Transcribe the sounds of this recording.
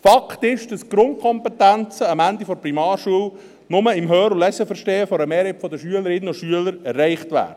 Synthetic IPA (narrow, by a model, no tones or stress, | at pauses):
fɑkʰtɪʃd̥ɑsɡ̥ɾʊnt̚kʰɔmpɛtænt͡səɑmænd̪ifɔɾprimɑːɾʃuəl | nʊməɪmɦøːɾʊlɛsəfəɾʃteːəfɔɾəmeːɾɛpfɔdəʃyələɾɪnːəʊʃyələɾɛrːɛɪχtʋæ̰ːɾə